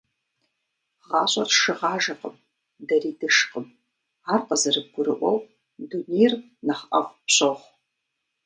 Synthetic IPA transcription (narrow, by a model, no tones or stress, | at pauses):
ʁɑːɕʼɐrʃɨʁɑːʒɐqəm | dɐriːdɨʂqəm | aːrqəzɐrɨb̚ɡʷʊɾɨ̰ʔʷɔw | dunejr | nɐχɐʁʷpɕʼɐʁʷ